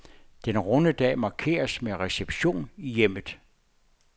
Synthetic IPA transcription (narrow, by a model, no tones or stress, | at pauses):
d̥enʁɔnəd̥ɛ̰ːmɑ̈kʰe̝̰ːɐsmeʁɛseb̥ɕo̝̰ːnijem̰ð̩ˠ